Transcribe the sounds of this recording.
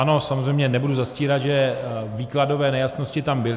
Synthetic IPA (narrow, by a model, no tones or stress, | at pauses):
ano̞samozrɛjmɲɛnɛbuduzasciːɾad̪ʒɛviːklado̞vɛːnɛjasno̞scɪt̪ambɪl